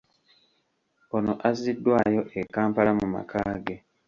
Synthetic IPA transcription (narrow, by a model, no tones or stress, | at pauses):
onoʔazidːwaːjoʔekaːmpalamuma̰kʰaːɡe